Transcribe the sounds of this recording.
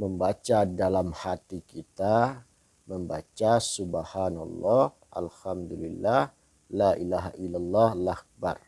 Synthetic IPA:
məmbat͡ʃadalamhat̪ikit̪a | məmbat͡ʃasubahanalːɔh | ʔa̰lhamd̪ulilːah | laʔilaɦaʔilalːɑhlak̚ba̰r

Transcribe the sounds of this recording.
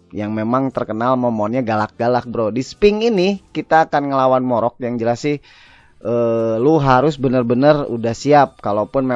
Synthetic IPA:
jaŋmemaŋt̪ərkənalməmɔnɲaɡalak̚ɡalak̚bəɾodispɪŋinikit̪aːkanŋəlawanmɔɾɔk̚jaŋd͡ʒəlasɪh | əluɦaɾʊsbənərbənərṵdahsiap̚kalopʊnme

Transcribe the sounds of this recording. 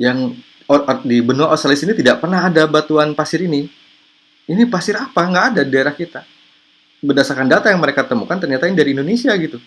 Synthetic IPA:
jaŋ | dibənuaʔosalisinit̪idaʔpərnaɦadabat̪uanpasɪɾini | inipasɪɾapaŋɡaʔːdadidaeɾahkit̪a | bərdasarkandat̪ajaŋməɾekat̪əmukant̪ərɲat̪aindaɾiːndonesiaɡit̪u

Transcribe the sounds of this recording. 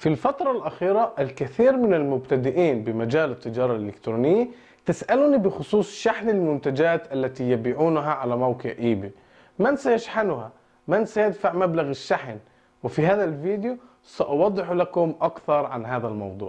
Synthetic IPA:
filfat̪ɾˤɑlʔaxiːɾaʔɪlkɪθiːɾmɪnɪlmʊbt̪ad̪ɪʔiːnbɪmad͡ʒaːlɪt̪ːɪd͡ʒɑːɾˤɑlʔɪlɪkt̪ɾuːnɪjːa | t̪ɪsʔaluːnibɪxʊsˤuːsˤʃaħnɪlmʊnt̪ad͡ʒaːt̪ʔalːat̪ijabiːʕuːnɦaʕalamawkɪ̰ʕʔiːbi | mansajaʃħanʊha | mansajɪd̪faʕmablaɣɪʃːaħn | wɪfiɦaːðalviːd̪ju | saʔɑwɑd̪ˤːɪħlakʊmʔakθɑɾˤʕanɦaːðalmɑ̰wd̪ˤṵːʕ

